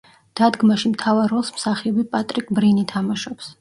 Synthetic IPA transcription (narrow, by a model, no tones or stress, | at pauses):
d̪̥ad̪ɡmaʃimt̪ʰavaɾɔlˠsmsaχiɔbipʼat̪ʼɾikʼbɾinit̪ʰamaʃɔps